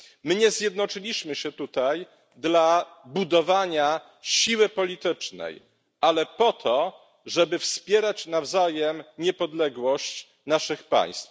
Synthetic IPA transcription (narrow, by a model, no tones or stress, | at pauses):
mɘɲɛzʲjɛd̪nɔt͡ʂɘlʲiɕmɘɕɛt̪ut̪aj | d̪labud̪ɔvaɲa | ɕiwɘpɔlʲit̪ɘt͡ʂnɛ̰j | alɛpɔt̪ʰɔ | ʐɛbɘfspʲjɛɾat͡ɕnavzajɛmɲɛpɔd̪lɛɡwɔɕt͡ɕ | naʂɘxpa̰j̃st̪f